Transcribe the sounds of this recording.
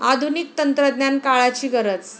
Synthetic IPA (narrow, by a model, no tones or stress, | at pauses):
ad̪ʱunik̚t̪ənt̪ɾəd̪njankaɭat͡ɕiːɡʱəɾət͡s